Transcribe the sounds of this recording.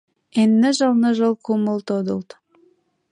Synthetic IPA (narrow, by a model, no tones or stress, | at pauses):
enːɘ̆ʒɤ̆lˠnɤ̆ʒɤ̆lˠkuməlˠt̪od̪ɤ̰̆lˠt̪